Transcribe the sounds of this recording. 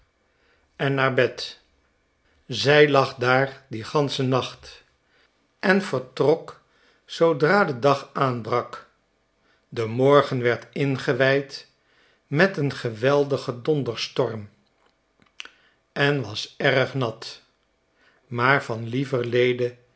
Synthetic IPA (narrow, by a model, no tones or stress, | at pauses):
ɛnnaːɹbɛt | zɛjlɑχdaːɹdiχɑnsənɑχt | ʔɛnv̥əɹtrɔk | sowdraːdədɑχaːnbrɑk | dəmɔɹχənʋɛɹtɪnχəʋɛjt | mɛtənχəʋɛlˠdəχədɔndəɹstɔɹm | ɛnʋɑsɛrəχnɑt | maːɹvɑnlivəɹlejdə